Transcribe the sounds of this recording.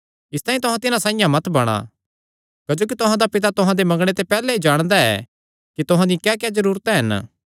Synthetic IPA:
ɪst̪aːĩt̪ʊɦãt̪ɪnãsãːɪ̃jãmɐt̪bɐɽ̃a̰ | kɐd͡ʒoːkit̪ʊɦãd̪apɪt̪̬at̪ʊɦãd̪emɐ̃ŋɡɽ̃et̪epɛːlɛid͡ʒaːɽ̃d̪aɛ̰ | kit̪ʊɦãd̪ikɛːkɛːzɐɾuːɾt̪ɛɦɐn

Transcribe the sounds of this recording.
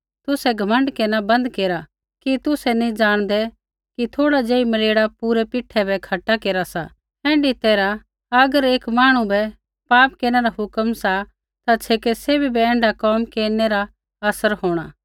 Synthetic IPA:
t̪ʊsɛɡʱɐmə̃ɳɖkenabɐ̃nd̪keːɾa | kit̪ʊsɛnĩd͡ʒaːɽ̃d̪ɛ | kit̪ʰoːɽad͡ʒeːimɐleːɽapuːɾɛpɪʈʰːɛbɛkʰɐʈakeːɾasa̰ | ɛ̃ːɳɖit̪eːɾa | ɐɡəɾeːkmaːɽ̃ubɛ | paːpkeːnɛɾaɦʊkəmsa | t̪at͡ʃʰeːkesebʱibɛɛ̃ːɳɖakɔːmkeːnɛɾa | ɐsəɾhoːɽ̃aː

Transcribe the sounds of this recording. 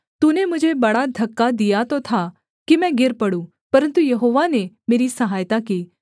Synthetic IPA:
t̪unemʊd͡ʒʱebɐɽad̪ʱɐkːad̪ijat̪ot̪ʰa | kimɛ̃ɡɪɾpɐɽũ | pɐɾə̃nt̪ujɐɦoːʋanemeːɾisɐɦaːjt̪akiː

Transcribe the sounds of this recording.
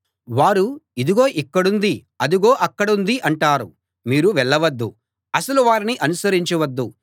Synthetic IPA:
ʋaːɾuid̪iɡo̞ːʔikːɐɽund̪i | ɐd̪uɡo̞ːʔɐkːɐɽund̪iʔɐɳʈaːɾṵ | miːɾuʋɛɭːɐʋɐd̪ːṵ | ɐsɐluʋaːɾiniʔɐnusɐɾiɲt͡ʃɐʋɐd̪ːu

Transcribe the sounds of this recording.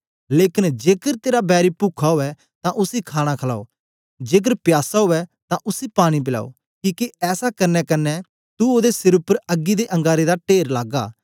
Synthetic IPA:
leːkɪnd͡ʒeːkəɾt̪eːɾabɛːɾipuːkʰaɦoːɛ | t̪ãʔʊsikʰaːɽ̃akʰɐla̰ːo̰ː | d͡ʒeːk̬əɾpjaːsaɦoːɛt̪ãʔʊsipaːɽ̃ip̬ɪla̰ːo̰ | kiːkeɛːsakɐɾnɛkɐnːɛ | t̪uoːd̪esɪɾʊpːəɾɐɡːid̪eʔɐ̃ŋɡaːɾed̪aʈeːɾlaːɡa̰ː

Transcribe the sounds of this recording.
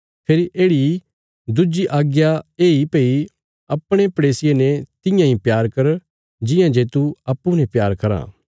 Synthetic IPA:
pʰeɾiʔeːɽi | d̪ʊd͡ʒiʔaːɡjaeːipei | ɐpɽ̃epɐɽeːsɪjenɛt̪ɪ̃jãɦĩpjaːɾkɐɾ | d͡ʒɪjãd͡ʒeːt̪uɐpːunɛ̃pjaːɾkɐɾa̰ː

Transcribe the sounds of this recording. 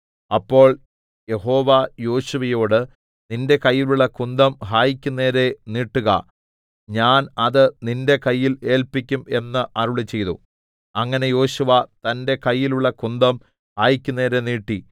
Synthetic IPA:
ɐpːo̞ːɭ | je̞ho̞ːʋɐjo̞ːɕuʋɐjo̞ːɽɨ | ninde̞kɐjːiluɭːɐkund̪ɐmɦaːjikʲːunːe̞ːɾe̞niːʈːuɣɐ̰ | ɲaːnɐðɨninde̞kɐjːile̞ːlpikʲːume̞nːɨʔɐruɭit͡ɕːe̞jðṵ | ɐŋːɐne̞jo̞ːɕuʋɐt̪ɐnde̞kɐjːiluɭːɐkund̪ɐm | haːjikʲːunːeːɾeniːʈːi

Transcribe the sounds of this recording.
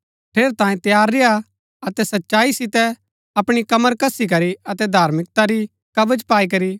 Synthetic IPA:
pʰeːɾt̪ãːjẽt̪jaːɾːeja | ɐt̪ɛsɐtːʃaːisɪt̪ɛ | ɐpɽ̃ikɐməɾkɐsik̬ɐɾiɐt̪ɛd̪ʱaːɾmɪk̚t̪aɾi | kɐbəd͡ʒpaːik̬ɐɾi

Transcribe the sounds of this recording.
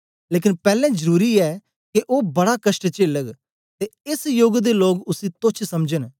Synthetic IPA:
leːkɪnpɛːlɛ̃ːd͡ʒəɾuːɾiːɛː | keʔoːbɐɽakəʃʈt͡ʃeːləɡ | t̪eɪsjoːɡd̪eːloːɡʊsĩːt̪ʊt͡ʃʰsɐmd͡ʒən

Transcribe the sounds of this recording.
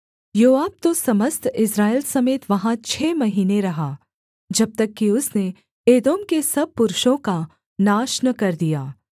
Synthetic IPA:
joːaːb̚t̪osɐməst̪ʰɪsɾaːelsɐmeːt̪ʋɐɦãt͡ʃʰɛːmɐɦiːneɾɐɦaː | d͡ʒɐb̚t̪ɐkːiʊsne | eːd̪oːmkesɐb̚pʊɾʊʃõka | naːʃnəkɐɾd̪ijaː

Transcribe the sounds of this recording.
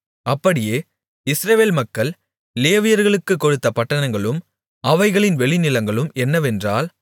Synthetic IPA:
ɐpːɐɽɪjeː | ɪsɾɐʋeːlmɐkːɐɭ | leːʋɪjɐɾɣɐɭɯkːɯkːɔɻɯt̪ːɐpɐʈːɐnɐŋɡɐɭɯm | ɐʋɐɪɣɐɭɪnʋɛɭɪnɪlɐŋɡɐɭɯmɛnːɐʋɛndraːl

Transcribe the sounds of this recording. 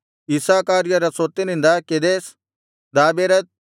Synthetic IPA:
isaːkaːɾjɐɾɐsoːt̪inɪ̃nd̪aked̪eːs | d̪aːbeːɾɐt̪̚

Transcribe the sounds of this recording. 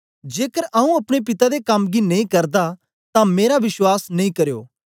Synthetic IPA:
d͡ʒeːkəɾʔɐːũɐpɽ̃ep̬ɪt̪ad̪ekɐmɡinɐĩkɐɾd̪a | t̪ãmeːɾaʋɪʃwaːsnɐĩːkɐɾjo̰ː

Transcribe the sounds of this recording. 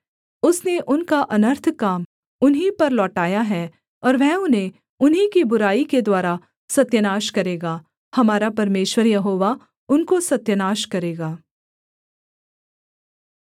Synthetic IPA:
ʊsneʔʊnkaʔɐnəɾt̪ʰkaːm | ʊnɦipɐɾlɔːʈaːjaɦɛ | ɔːɾʋɛɦʊnɦẽ | ʊnɦikibʊɾaːiked̪waːɾa | sɐt̪jənaːʃkɐɾeːɡaː | hɐmaːɾapɐɾmeːʃwəɾjɐɦoːʋa | ʊnkosɐt̪jənaːʃkɐɾeːɡaː

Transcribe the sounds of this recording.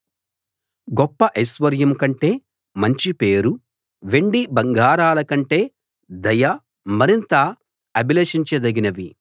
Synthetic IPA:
ɡɔpːɐʔɐjsʋɐɾjɐmkɐɳʈe̞ː | mɐɲt͡ʃipe̞ːɾu | ʋe̞ɳɖibɐŋɡaːɾaːlɐkɐɳʈe̞ː | d̪ɐjɐ | mɐɾint̪ɐ | ɐbilɐʂiɲt͡ʃed̪ɐɡinɐʋi

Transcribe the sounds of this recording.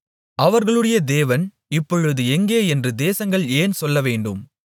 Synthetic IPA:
ʔɐʋɐɾɣɐɭɯɽɐjɐd̪eːʋɐn | ɪpːɔɻɯðɯɛŋɡeːɛndrɯd̪eːsɐŋɡɐɭeːnsɔlːɐʋeːɳɖɯ̰m

